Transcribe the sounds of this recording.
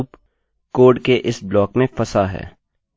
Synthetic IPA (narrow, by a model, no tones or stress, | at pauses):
p | koːɖkeʔɪsblɔːkmẽfɐsaɦɛ̰ː